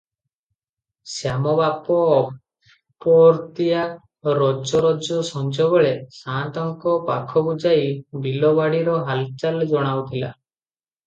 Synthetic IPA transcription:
sjamɔbapɔː | pɔɾt̪ija | ɾɔd͡ʒɔɾɔd͡ʒɔsɔnd͡ʒɔβɔɭesãnt̪ɔŋkɔpakʰɔbud͡ʒaibilɔbaɽiɾɔɦalt͡ʃald͡ʒɔɽ̃awt̪ʰila̰

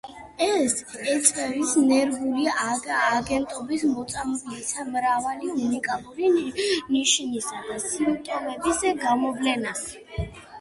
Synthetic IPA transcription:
ɛsɛt̪sʼɛvisnɛɾɡuliː | ɡɛnt̪ʼɔbismɔt̪sʼamblisʰamɾavaliunikʼalˠuɾiniʃnisad̪asimt̪ʼɔmɛbisɡamɔvlɛna

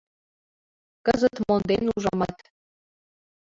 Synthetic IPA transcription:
kəzə̆t̪mond̪enuʒɑmɑt̪

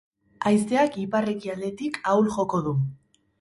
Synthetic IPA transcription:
ajst̪e̞akipare̞kiald̪e̞t̪ikʰawlʝo̞ko̞ðu

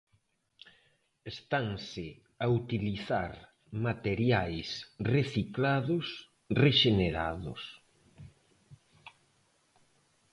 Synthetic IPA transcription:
est̪aŋsɪ | aut̪iliθaɾ | mat̪eɾjajsreθiklaðʊs | reʃeneɾa̰ðʊ̰s

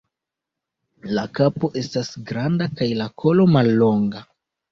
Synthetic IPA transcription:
lakapo̞ʔe̞stasɡɾandakajlakʰo̞lo̞malːo̞ŋɡa

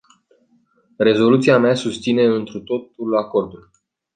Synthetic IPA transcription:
re̞zo̞lut̪siameasust̪sine̞ɨnt̪ɾut̪o̞t̪ulako̞rd̪ul

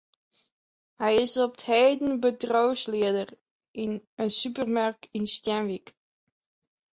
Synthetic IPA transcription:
hɛjɪsɔp̚theːdən̩bətrowslɪədər | ʔɪnənsypərmaɹkɪnstjɛnʋik

